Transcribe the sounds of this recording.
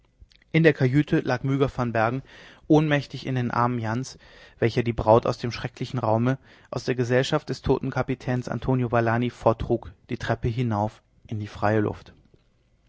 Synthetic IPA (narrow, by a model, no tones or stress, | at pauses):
ʔɪndeːɐkʰajyːtʰəlʔaːkmyːɡɐfɔnbɛɐɡŋ̩ʔoːnmɛçtɪçɪ̰ndeːnʔa̰ɐmənjans | v̥ɛlçɐdiːbʁaʊta̰ʊsd̥eːmʃʁ̥ɛklɪçn̩ʁaʊmə | ʔaʊsd̥eːɐɡəzɛlʃaft̚d̥ɛstʰo̰ːtn̩kʰapitʰɛːnsa̰ntʰoːnjovalaːnifoːɐtʁ̥uːkd̥iːtʁ̥ɛpəɦɪnaʊf | ʔɪndiːfʁ̥aɪəlʊ̰ft